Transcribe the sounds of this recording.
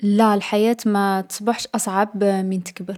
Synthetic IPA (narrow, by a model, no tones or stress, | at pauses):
lælħajæːt̪mæt̪ə̥sˤbɑħʃʔɑsˤʕabmint̪ə̥kbəɾ